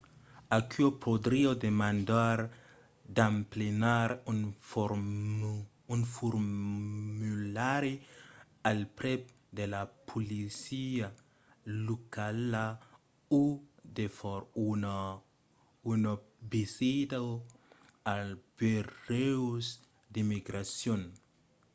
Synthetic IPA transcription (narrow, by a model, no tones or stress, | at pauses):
akʰyopʰod̪ɾiod̪emãnd̪aɾ | d̪amplenaɾnɾ | unfoɾ | mulaɾi | alpɾep̚ | d̪elapʰulisia | lukala | ud̪efɔɾ | unobisid̪a | alb̥ereus | d̪imiɡɾasjon